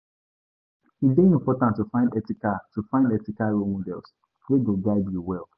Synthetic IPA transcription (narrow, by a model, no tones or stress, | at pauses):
ideĩmpɔtãntufãɪ̃ndɛtikatufãɪ̃ndɛtikaɹolmɔdɛ̰ls | weɡoɡaɪdjuwɛlˠ